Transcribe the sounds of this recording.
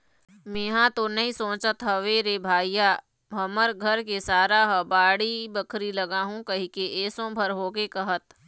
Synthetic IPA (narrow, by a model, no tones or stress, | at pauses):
mẽːɦãt̪onɐɦĩsõːt͡ʃət̪ɦɐʋeːɾebʱaːjjaː | bʱɐməɾɡʱɐɾkesaːɾaɦəbaːɽibəkʰɾilɐɡaːɦũkɐɦikeʔeːsõbʱəɾɦoːkekɐɦət̪